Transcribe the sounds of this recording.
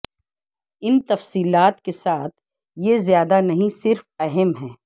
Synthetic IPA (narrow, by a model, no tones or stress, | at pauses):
ɪnt̪ɐfsiːlaːt̪kesaːt̪ʰ | jezjaːd̪anɐɦĩsɪɾfɛɦɛmɦɛː